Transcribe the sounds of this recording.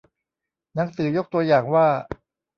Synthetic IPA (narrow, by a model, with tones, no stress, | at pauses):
na˩˦˥ŋsɯː˩˦jo˦˥k̚t̪u˧ɐjaː˨˩ŋwaː˥˩